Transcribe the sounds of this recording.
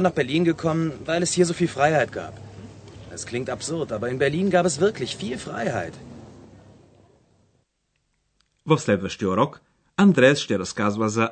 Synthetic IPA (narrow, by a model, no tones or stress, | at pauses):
naːχb̥ɛɐliːnɡəkʰɔmənvaɪlɛshiːɐzoːfiːlfʁ̥aɪhaɪtɡ̥a̰ːp | ɛskl̥ɪŋktapz̥ʊʁtʔaːbɐɪnbɛɐliːnɡaːpɛsv̥ɪɐklɪçfiːlfʁ̥a̰ɪha̰ɪt | vɔslɛvəʃtjɔɾɔk | ʔandʁɛːsʃtɛːɾɔskazvazɐ